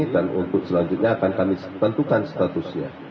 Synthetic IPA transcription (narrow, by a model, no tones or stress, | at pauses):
danṵnt̪ʊk̚səlaɲd͡ʒʊt̪̚ɲaːkankami | t̪ənt̪ukansə̥t̪at̪ʊsɲa̰